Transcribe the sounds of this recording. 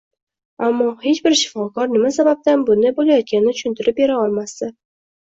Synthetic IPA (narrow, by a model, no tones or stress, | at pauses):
amːɒhe̞t͡ʃbɪɾʃɪ̥fɒkɒɾnɪmasabap̚t̪anbʊnd̪abolajɒt̪̚kʲanɪɪt͡ʃ̪ʰʊ̥ʃʊnt̪ɪɾɪp̚be̞ɾaɒlˠmasd̪ɪ